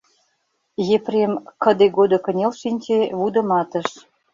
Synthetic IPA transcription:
jepremkə̆d̪eɡod̪ŏkə̆nʲelʃinʲt͡ɕeβud̪ə̆mɑt̪ə̆ʃ

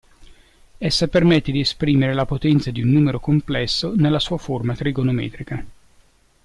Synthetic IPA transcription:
esːapermet̪ːed̪iespɾiːmeɾelapot̪ɛnt̪sad̪iunːuːmeɾokomplɛsːonelːasuːaformat̪ɾiɡonomɛ̰ːt̪ɾika

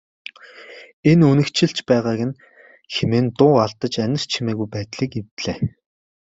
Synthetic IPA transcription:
enɵnɘ̆kt͡ɕʰɪ̆ɬt͡ɕpæːʁaːɣɘ̆n | xemeːnt̪ʊːaɮt̪ə̆t͡ɕænʲɪ̆r̥t͡ɕʰimeːɣujpæːt̪ɮiːkewt̪ɮeː

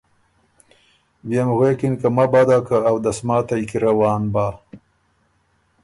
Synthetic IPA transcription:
bjemɣwekinkamabad̪akaːwd̪asmaːt̪ajkiɾawɑːnbaː

